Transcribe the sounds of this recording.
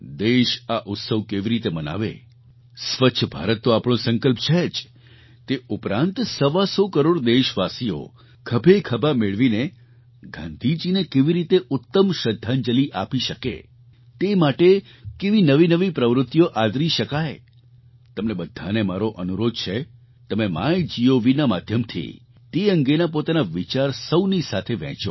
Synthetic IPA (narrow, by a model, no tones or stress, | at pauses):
d̪eʃaʔʊt̪səʋkeʋiɾit̪eməna̰ʋḛ | sʋəːʃʰəbʱa̰ɾət̪ːoapɳ̃õsə̃ŋkəlpt͡ʃʰed͡ʒ | t̪eʊpɾãnt̪səʋasokəɾoɽd̪eʃʋasio̰ | kʰəbʱekʰəbʱameɭʋine | ɡʱã̰nd̪ʱid͡ʒinekeʋiɾit̪eʔʊt̪ːəmʃəd̪ʱːand͡ʒəliʔapiʃəkḛ | t̪emaʈe | keʋinəʋinəʋipɾəʋɾʊt̪ːjoʔad̪ɾiʃəkaj | t̪əmnebəd̪ʱːanemaɾoʔənuɾod̪̚t͡ʃʰe | t̪əmema̰jd͡ʒioʋinamad̪ʱjəmt̪ʰḭ | t̪eə̃ŋɡenapot̪anaʋit͡ʃaɾsəwnisat̪ʰeʋɛ̰̃t͡ʃo